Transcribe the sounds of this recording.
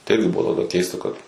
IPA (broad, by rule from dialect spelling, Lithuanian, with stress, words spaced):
tɐɪ ˈɪrʲɡʲɪ ˈbʊʋoː tɐˈdɑːˈkʲɛɪstɐ ˈkɐt